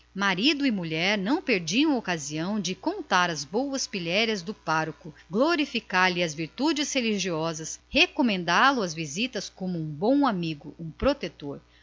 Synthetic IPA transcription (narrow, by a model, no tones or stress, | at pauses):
maɾid̪ʊimuʎɛɾnɐ̃w̃peɾd͡ʒiɐ̃w̃okaziɐ̃w̃d͡ʒɪkõnt̪aɾɐzbowɐspiʎɛɾiɐzd̪ʊpaɾʊkʊɡloɾifikaɾlɪɐzviɾt̪ud͡ʒɪsheliʒiɔzɐshekomẽnd̪alʊɐzvizit̪ɐskõmʊũbõw̃amiɡʊũpɾot̪et̪oɾ